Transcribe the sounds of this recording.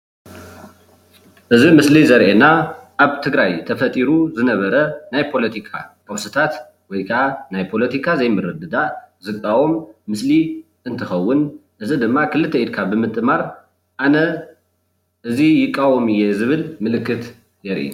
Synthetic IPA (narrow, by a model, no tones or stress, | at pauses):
ʔɨzimɨslizɐɾʔenaʔaβt̪ʰɨɡɾajt̪ʰɐfɐt̪ʼiɾuzɨnɐβɐɾɐnajpʰo̞lɐt̪ʰikʰakʼɐwsɨt̪ʰat̪ | wɔjkʰaʔanajpʰo̞lɐt̪ʰikʰazɐjmɨɾɨd̪ɨd̪azɨkʼːawomːɨsli | ʔɨnt̪ʰɨxɐwːʊnʔɨzid̪ɨmːakʰɨlɨt̪ʰːɐid̪̚kʰabɨmɨt̪ʼɨmaɾ | ʔanɐ | ʔɨzijɪkʼːawomɨjːezɨβɨlmɨlɨkːɨt̪ | jɛɾʔḭ